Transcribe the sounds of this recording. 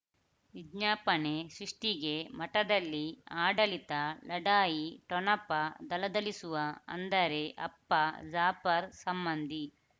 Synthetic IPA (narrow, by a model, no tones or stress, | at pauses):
ʋid͡ʒɲaːpɐne̞sɾiʂʈiɡe̞mɐʈɐd̪ɐlːiaːɖɐlit̪ɐlɐɖaːjiʈɔnɐpːɐd̪ɐlɐd̪ɐlisuʋɐɐ̰nd̪ɐɾe̞ʔɐ̰pːɐd͡ʒaːpɐɾsɐmbɐnd̪i